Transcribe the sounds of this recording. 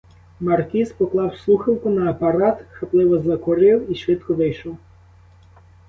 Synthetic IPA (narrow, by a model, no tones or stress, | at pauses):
mɐrkʲispɔklˠɑwslˠuxɪwkʊnɐːpɐɾɑt̪xɐplˠɪʋɔzɐkɔɾɪwiʃʋɪt̪kɔʋɪjʃɔw